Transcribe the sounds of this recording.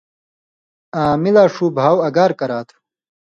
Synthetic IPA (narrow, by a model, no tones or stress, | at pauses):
aːmilaːʂuːbʱaːwɐɡaːɾkɐɾaːt̪ʰ